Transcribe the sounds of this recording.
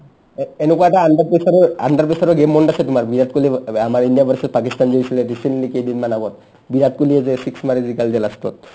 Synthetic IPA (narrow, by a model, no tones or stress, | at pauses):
eenukuaɛʈaand̪aɾpesaɾoa̰nd̪aɾpesaɾoɡemːɔɳɖasʰet̪umaɾbiɾat̪̚kuliamaɾinɖijabaɾsespak̬ist̪and͡ʒeisʰileɾisenʈlikedinmanaɡɔt̪ | biɾat̪̚kuliezesiksmaɾid͡ʒikald͡ʒelast̪ɔ̰t̪̚